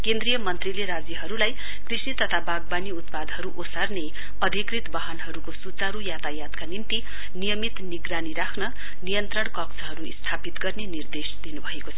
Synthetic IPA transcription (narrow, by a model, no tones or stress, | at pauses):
kend̪ɾijʌmʌnt̪rileɾad͡zjiɦʌɾulaj | krisnit̪ʌt̪ʰabaɡbaniut̪pad̪ɦʌɾuʔosarne | ʌd̪ʱikrit̪bʌɦʌnɦʌɾukosut͡saɾujat̪ajat̪kanint̪i | nijʌmit̪niɡraniɾakʰnʌ | nijʌnt̪rʌɳkʌkt͡sʌɦʌɾuist̪ʰapit̪ɡʌrnenird̪esd̪inubʱʌekot͡sʰʌ